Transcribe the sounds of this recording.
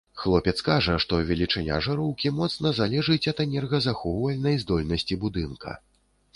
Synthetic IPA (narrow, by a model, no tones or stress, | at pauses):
xlˠɔpʲɛt̪skaʐɐʂt̪ɔvʲɛlʲit͡ʂɐnʲa̰ʐɐɾɔwkʲimɔt̪snɐzalʲɛʐɨt͡sʲɐt̪ɛnʲɛrɣɐzaxɔwvɐlʲnɐjzd̪ɔlʲnɐsʲt͡sʲibud̪ɨnkɐ̰